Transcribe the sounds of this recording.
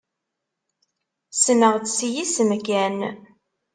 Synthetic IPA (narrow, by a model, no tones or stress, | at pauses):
sənəʁt͡ssijisəmkæn